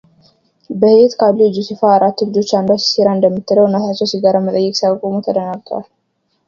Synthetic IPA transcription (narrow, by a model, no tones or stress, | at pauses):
bəhet̪kʰablid͡ʒusɨfaːɾat̪ːulɨd͡ʒo̞t͡ʃːand̪at͡ʃseɾand̪əmːɨt̪ʰːɨləwnət̪ʰat͡ʃːɛwsiɡaɾamət̪ʼəjːɛkʼsiawkʼomut̪ʰəd̪ənaɡ̚t̪ʰwal